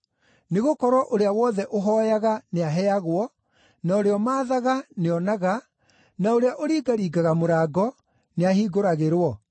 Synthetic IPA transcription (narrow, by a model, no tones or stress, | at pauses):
neɣokɔɾwɔʔoɾeawɔːðɛʔoɦɔjaɣaneaɦɛaɣwɔ | naoɾeɔmaːðaɣaneɔnaɣa | naoɾeaʔoɾiːɡaɾiːɡaɣamoɾaːɡɔ | neahiːɡoɾaɣeɾwɔ